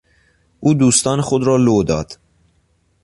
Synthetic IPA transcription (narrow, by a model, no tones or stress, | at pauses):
ʔuːd̪uːst̪ɒːnexod̪ɾɒːlod̪ɒːd̪̥